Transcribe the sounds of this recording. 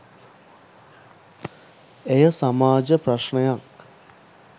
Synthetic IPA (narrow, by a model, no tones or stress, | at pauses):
ejəsamaːd͡ʒəpɾɐʂɳejaŋ